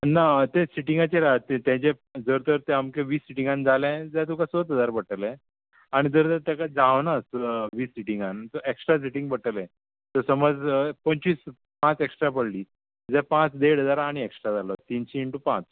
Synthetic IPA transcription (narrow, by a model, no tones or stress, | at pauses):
nat̪ẽsiʈiŋɡat͡ɕeɾat̪ːet̪ãt͡ɕe | d͡zəɾt̪əɾt̪ẽamkẽʋiːsiʈiŋɡand͡zalɛ̃d͡zɛ̃t̪̬ũkasot̪ɦəd͡zaɾbəʈəlɛ̃ | aɽ̃id͡zəɾt̪əɾt̪ɛ̃kad͡zaʋnasʋiːsiʈiŋɡant̪əeksʈɾas̬iʈĩŋɡbəʈəlɛ̃ | t̪əsəməd͡zpəɲt͡ɕiːs | pãt͡seksʈɾapəɽliː | d͡zɛpãt͡sd̪eɽ̤əd͡zaɾaːɽ̃ieksʈɾad͡zalɔt̪inɕiːɳʈupãt͡s